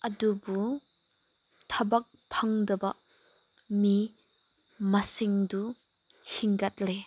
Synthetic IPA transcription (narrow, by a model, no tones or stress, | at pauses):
ʔɐdubu | t̪ʰɐbɐk̚pʰɐŋdɐbɐʔ | mi | mɐsiŋdu | hiŋɡɐt̪̚le